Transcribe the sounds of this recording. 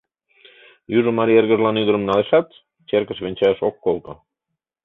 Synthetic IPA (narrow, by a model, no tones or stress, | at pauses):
juʒə̆mɑɾierɣəʒlɑnyðəɾə̆mnɑleʃɑt̪ | t͡ɕerkə̆ʃβenʲt͡ɕeʃokːolt̪ə̆